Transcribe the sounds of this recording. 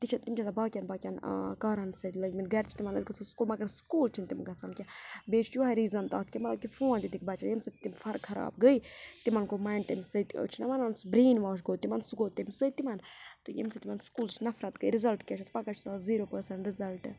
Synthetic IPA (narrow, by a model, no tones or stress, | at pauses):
t̪it͡ʃʰɐt̪imt͡ʃʰɐsabaːkʲjɐnbaːkʲjɐn̰kaːɾɐnsɐt̪lɐɡʲminɡɐɾt͡ʃʰi̥t̪imɐnɐ̰d̪kɐsʰuskuːlmɐɡɐɾskuːlt͡ʃʰint̪imɡɐsɐnkʲɛbeːt͡ʃʰt͡ʃuɐɾiːzɐnt̪aːt̪̚ʰkʲimɐt̪lɐb̚kʲifuːãnd̪id̪ik̚ʰbɐt͡ʃɐnjimsɐt̪imfɐɾkʰɐɾa̰ːb̚ɡəit̪imɐnkomɐnt̪imʲsət̪o̰t͡ʃʰinɐmɐnansbɾeːnʋaːʃ̬ɡoːt̪imɐnsuɡoːt̪ːimsət̪imɐnt̪ujḭmsɐt̪imɐnskuːlt͡ʃʰinɐfɾɐt̪ɡəiɾizɐlʈkʲɛt͡ʃʰɐspɐkɐt͡ʃʰi̥saːziːɾoːpɐɾsɐɳʈɾizɐlʈ